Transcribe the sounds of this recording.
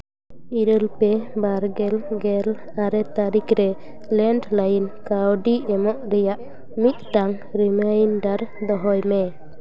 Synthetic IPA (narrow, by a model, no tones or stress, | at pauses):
iɾəlpɛbaɾɡɛlɡɛl | aɾɛt̪aɾikɾɛ | lɛɳɖlajinkawɖiɛmɔʔɾɛjaʔ | mit̪̚ʈaŋ | ɾimajnɖaɾd̪ɔɦɔjmɛ